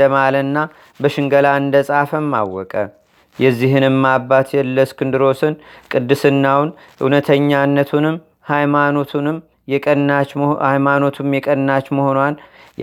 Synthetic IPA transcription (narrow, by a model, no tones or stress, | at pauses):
əmalənːa | bəʃɨŋɡəlaɨnd̪əsʼafəmːa̰wːɔkʼə | jɛzːiɦɨnɨmːabːat̪ʰjɛlːəskɨnd̪ɨɾo̞sɨnkʼɨd̪ːɨsɨnːawʊn | ʔɨ̰wnət̪ʰəɲːanːət̪ʰunɨm | hajmano̞t̪ʰunɨm | jɛkʼənat͡ʃajmano̞t̪ʰumjɛkʼənnat͡ʃmoho̞nwan